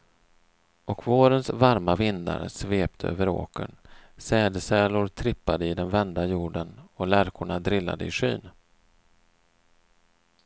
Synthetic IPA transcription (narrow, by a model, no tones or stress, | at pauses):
ɔkvoːɾənsvaɾmavɪnd̪a̰ɾsveːp̚t̪ʰəø̰ːvəɾo̰ːkə̰nsɛːd̪əsɛːlʊɾt̪ʰɾɪpːad̪əɪd̪ɛnvɛnd̪ajuːɖənɔlæɾkʰʊɳad̪ɾɪlːa̰d̪əɪɧy̰ːn